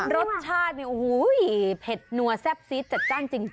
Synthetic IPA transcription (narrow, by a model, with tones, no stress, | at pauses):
ɾo˦˥t̪̚t͡ɕʰaː˥˩t̪̚ni˧˩ʔu˨˩huː˨˦jpʰe˨˩t̪̚nu˧ɐsɛ˦˥p̚siː˦˥t̪̚t͡ɕa˨˩t̪̚kaː˥˩nt͡ɕi˧ŋ